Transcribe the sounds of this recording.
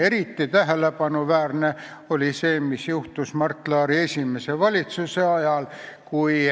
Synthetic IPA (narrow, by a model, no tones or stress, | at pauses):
eɾit̪ːit̪æɦelepɑnuʋæːrne | oliseːmisjuht̪usmɑrt̪ːlɑːɾiesʲimeseʋɑlit̪suseɑjɑlkui